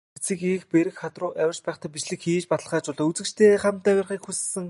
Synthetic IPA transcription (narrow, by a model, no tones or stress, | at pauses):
t͡siːkixpeɾɘ̆kxχat̪rʊːʔæwʲɪ̆rt͡ɕpæːχt̪aːpit͡ɕɮɘ̆kxiːt͡ɕpat̪ə̆ɮ̆χaːt͡ɕʊɮɔːut͡sɘ̆kt͡ɕt̪ʰeːχamt̪æwʲɪrχiːkxus̆sɘ̆ŋ